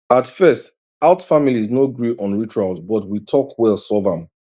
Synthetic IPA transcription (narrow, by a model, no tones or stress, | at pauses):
atfɜst | aʊtfamiliznoɡɹiʔɔ̃nɹit͡ʃualˠzbɔtwitʰɔkwɛlˠsɔvə̃m